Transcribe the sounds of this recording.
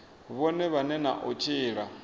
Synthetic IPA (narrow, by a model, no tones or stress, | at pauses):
βɔnɛβanɛna̰ʔɔt͡ʃʰʼiːɺa